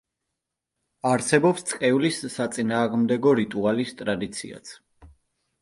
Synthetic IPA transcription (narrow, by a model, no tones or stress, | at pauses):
aɾsɛbɔpst̪sʼqʼɛulisːat̪sʼinaːʁmd̪ɛɡɔɾit̪ʼualist̪ʼɾad̪it̪sʰḭa̰t̪sʰ